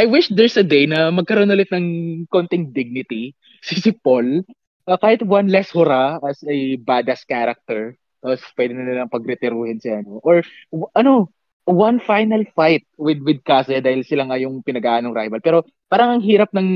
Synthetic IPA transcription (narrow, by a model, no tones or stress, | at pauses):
ʔajwɪʃd̪ɛɹsɐd̪ejnɐmɐɡ̚kɐɾoːnʊlɪt̪̚nɐŋko̞nt̪ɪŋd̪ɪɡ̚nɪt̪i | sɪsɪpol | ʔɐkaːhɪt̪wɐnlɛshʊɾaɐsɛbad̪ɐskaɾɐk̚t̪ɛɹ | t̪apospwɛd̪ɪnɐnɐlɐŋpɐɡ̚ɾɛt̪ɪɾuːhɪnsɪlaɐnoʔoɹʔɐno | wɐnfajnɐlfajt̪̚wɪd̪wɪd̪̚kaːsɛd̪aːhɪlsɪlaŋajʊŋpɪnɐɡaʔaːnoŋɾajvɐlpɛːɾo̞ | paːɾɐŋɐŋɦiːɾɐp̚nɐŋ